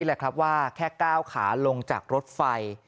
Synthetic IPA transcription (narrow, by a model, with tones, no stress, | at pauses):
lɛ˨˩kʰɾa˦˥p̚waː˥˩kʰɛː˥˩kaː˥˩wkʰa̰ː˩˦lo˧ŋt͡ɕa̰ː˨˩k̚ɾo˦˥t̪̚fa˧j